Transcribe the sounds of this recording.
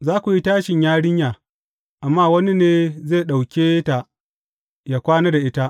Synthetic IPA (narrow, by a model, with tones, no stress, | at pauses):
zaː˦kʷu˨ji˦taː˦ʃɪ˨ɲjaː˦ɽɪ˦ɲjaː˨ | ʔa˨mːaː˦wɐ˦ni˦neː˦zeː˦˨ɗa˨wkʲeː˦ta˨ʔ | ja˨kʷaː˦neː˦da˨ʔɪ˦ta˦ʔ